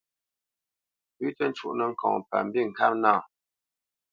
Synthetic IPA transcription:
pʉ˦tə˦n̩˦t͡ʃu˦˨ʔnə˨ŋ̩˨kʰɔ̰̃˨ŋpa̰˨m̩˦bi˦˨ŋ̩˨ka˦p̚naː˦˨

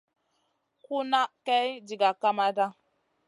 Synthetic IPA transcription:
ku˦na˦ka˦d͡ʒi˨ɡa˨ka˦ma˦da˦

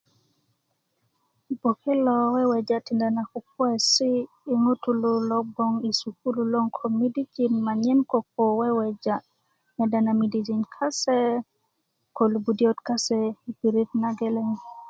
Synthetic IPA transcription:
bo˨ke˦lɔ˨wɛ˦wɛ˨d͡ʒa˨ti˨nda˨na˨kuk̚wɛ˦si˦ | i˦ŋu˦tu˦lu˨lɔ˦k̚bo˦ŋi˨suku˦lu˦lo˦ŋkʰomidi˦d͡ʒi˨nma˨ɲɛ˦nko˨k̚o˨wɛ˦wɛd͡ʒa | mɛ˨da˨na˨mi˨di˨d͡ʒi˨nkʰa˦sɛ˦ | ko˨lu˨bu˨djo˦tka˦sɛipiɾi˦tnaɡe˦le˦ŋ

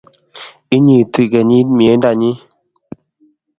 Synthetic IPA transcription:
i˦ɲi˨ti˦˨ɡɛ˨ɲi˦mi˨e˨˦n˦da˨ɲi˦

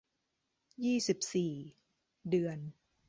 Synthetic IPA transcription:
jiː˥˩si˨˩p̚siː˨˩ | dɯ˧ən

